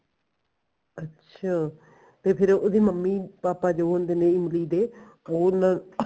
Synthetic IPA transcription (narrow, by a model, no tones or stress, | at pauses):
ətːʃʰaː | t̪eːpʰɪɾoːd̪eːməmːiːpaːpaːd͡ʒoːɦõnd̪eːnẽːɪmliːd̪eː | oːnãː